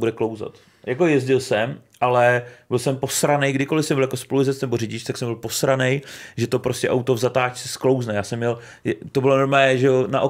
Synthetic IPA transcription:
budɛklo̞wza̰t̪ | jako̞jɛzɟɪlsɛmʔalɛbɪlsɛmpo̞sɾanɛjɡdɪko̞lɪfsɛmbɪljako̞spolujzɛt͡snɛborɪɟɪt͡ʃt̪aksɛmbɪlposɾanɛjʒɛt̪opɾoscʲɛʔawt̪ovzat̪aːt͡ʃt͡sɛsklo̞wznɛjaːsɛmːɲɛl | jt̪obɪlo̞noɾmɛːɛʒɛonaʔo

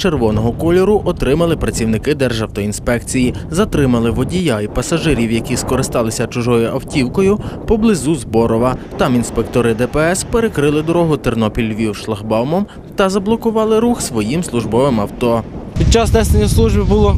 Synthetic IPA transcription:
t͡ʃerʋɔnɔɦɔkɔlʲɔɾʊʔɔt̪ɾɪmɐlˠɪpɾɐt͡sʲiwnɪkɪd̪ɛrʒɐwt̪ɔinspɛkt͡sʲijizɐt̪ɾɪmɐlˠɪʋɔdʲijaipɐsɐʒɪɾʲiwjɐkʲiskɔɾɪst̪ɑlˠɪsʲɐt͡ʃʊʒɔjʊʔɐwtʲiwkɔjʊpɔblˠɪzuzbɔɾɔʋɐt̪ɑminspek̚t̪ɔɾɪd̪ɛpɛɛspeɾekɾɪlˠɪd̪ɔɾɔɦʊt̪ernɔpʲilʲʋʲiwʃlˠɐxbɑwmɔm | t̪ɐzɐblˠɔkʊʋɑlˠɪɾuxsʋɔjimslˠʊʒbɔʋɪmɐwt̪ɔpʲid̪̚ʲt͡ʃɑsd̪ɛst̪nʲislˠuʒbʲibʊlˠɔ

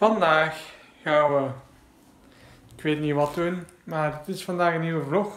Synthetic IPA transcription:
vɑndaːxː | aːnʋə | ɪkʋeːtniʋɑtun | maːrətɪsfɑndaːɣəniːwəvlɔx

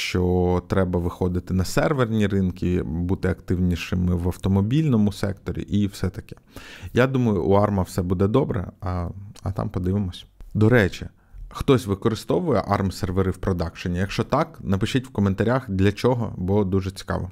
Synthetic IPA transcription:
ʃt͡ʃɔt̪ɾɛbɐʋɪxɔd̪ɪt̪ɪnɐsɛrʋernʲiɾɪnkʲibut̪ɪɐkt̪ɪwnʲiʃɪmɪʋɐwt̪ɔmɔbʲilʲnɔmʊsɛ̰kt̪ɔɾʲḭʔiwsɛt̪ɐkɛ̥jad̪umɐjʊʔːɑrmɐwsɛbud̪ɛd̪ɔbɾɛ̰ɐɐ̰t̪ɑ̰mpɔd̪ɪʋɪmɔsʲd̪ɔɾɛt͡ʃi | xt̪ɔsʲʋɪkɔɾɪst̪ɔʋʊjɛʔɑrmserʋeɾɪwpɾɔd̪ɑkʃɔnʲijɐkʃt͡ʃɔt̪ɑknɐpɪʃɪtʲwkɔment̪ɐɾʲaxd̪lʲɐt͡ʃɔɦɔ̰bɔd̪uʒɛt͡sʲi̥kɑ̰ʋɔ

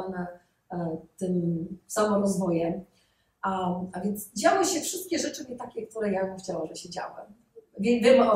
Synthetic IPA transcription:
nɛ | t̪ɘmsamɔɾɔzvɔjɛm | aavʲjɛnt̪sd͡ʑawɘɕɛfʂɘst̪̚kʲɛʐɛt͡ʂɨmʲɛt̪akʲɛk̚t̪uɾɛjaxt͡ɕawamʐɛɕɛd͡ʑa̰wɛ̰ | vʲɛvʲɛmɔ

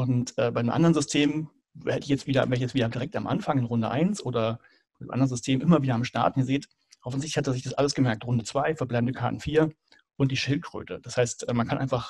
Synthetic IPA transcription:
ʔʊntʔɛːbaɪəmʔa̰ndəɐənzʏstʰeːm | vɛ̰ːdəɪçjɛt͡stv̥iːdɐvɛːɐəçjɛt͡sviːdɐdiʁɛk̚tamʔa̰nfaŋɪnʁʊndəʔa̰ɪnsʔoːdɐ | baɪdɪmʔa̰ndɐənzʏstʰeːmʔɪmɐviːdɐamʃta̰ɐtn̩əzeːt | ʔɔfn̩zɪçtlɪçhatɛzɪçd̥asʔa̰ləsɡ̥əmɛɐk̚tʁʊndət͡sv̥aɪfɛɐblaɪbmn̩dəkʰaɐtn̩fiːɐ | ʔʊnt̚d̥iːʃɪlt̚ɡ̥ʁ̥ø̰ːtəd̥ashaɪstʔɛːmankʰanʔa̰ɪnfaχ

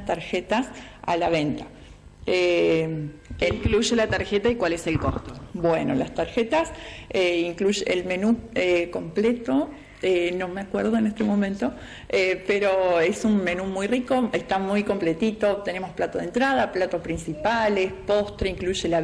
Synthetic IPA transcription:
t̪aɾxe̞t̪asa̰laβe̞nt̪a | e | eŋkluʒelat̪aɾxet̪aikwaleselkost̪o̥bweno̞̰last̪aɾxet̪aseiŋkluʒeelme̞nueko̞mplet̪o̞ | eno̞meakweɾð̞oenest̪emõ̞mẽnt̪o̞ | epeɾo̞e̞sunme̞numujriko̞est̪amujko̞mplet̪it̪o̞t̪e̞ne̞mosplat̪oð̞ent̪ɾað̞aplat̪ospɾinsipalespo̞st̪ɾeiŋkluʒela

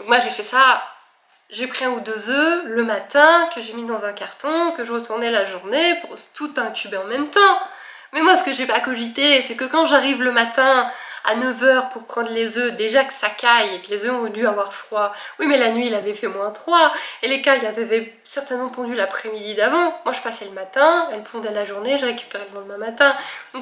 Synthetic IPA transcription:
d̪ɔ̃kmwaʒefɛsa | ʒepχiɛ̃ud̪øzøləmat̪ɛ̃kəʒemid̪ɑ̃zɛ̃kaʁt̪ɔ̃kəʒəʁət̪uʁnɛlaʒuʁnepuʁt̪ut̪ɛ̃t̪ybeɑ̃mɛmt̪ɑ̃ | mɛmwasə̥kəʒepakɔʒit̪esɛkəkɑ̃ʒaʁivləmat̪ɛ̃a̰nəvœʁpuʁpχɑ̃d̪ʁlezød̪eʒakə̥sakajekəlezøɔ̃ṽd̪yavwaʁfχwawimɛlanɥiɛlavɛfɛmwɛ̃t̪χwaelekajazavɛ | sɛʁt̪ɛnmɑ̃pɑ̃d̪ylapχɛmid̪id̪avɑ̃mwaʒəpasɛləmat̪ɛ̃ɛlpɔ̃d̪ɛlaʒuʁneʒəʁekʲy̥peʁeləmɔ̃d̪əmɛ̃mat̪ɛ̃d̪ɔ̃k

